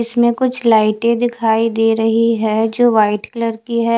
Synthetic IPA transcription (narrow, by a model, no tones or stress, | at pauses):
ɪsmẽkʊt͡ʃʰlaːɪʈẽd̪ɪkʰaːid̪eːɾɐɦiɦɛd͡ʒoːʋaːɪʈkləɾkiɦɛ